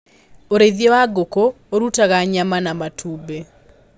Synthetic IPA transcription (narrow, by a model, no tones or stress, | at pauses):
oɾeðjewaɡoko | oɾutaɣaɲamanamatʰube